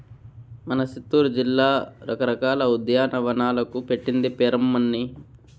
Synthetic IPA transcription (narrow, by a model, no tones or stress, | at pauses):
mɐnɐsit̪ːuːɾud͡ʒilːaːɾʔɐ̰kɐɾɐkaːlɐud̪ɐjaːnɐʋɐnaːlɐkupe̞ʈːind̪ipɛːɾɐmːɐnːi